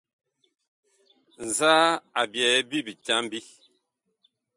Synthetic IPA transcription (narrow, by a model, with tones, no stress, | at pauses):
n̩˨zaː˦a˨bjɛ˨˦bi˦bi˨t͡ʃa˦m˦bi˦